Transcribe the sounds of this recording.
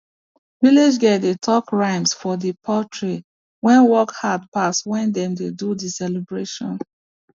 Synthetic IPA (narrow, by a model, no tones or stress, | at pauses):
vilid͡ʒɡɛtetʰɔkɹãɪ̃msfɔðəpʰɔtʰɹe | wɛ̃nwɔkhad̚pastwɛ̃ndɛ̃mdedudisɛlibɹeʃɔ̰̃n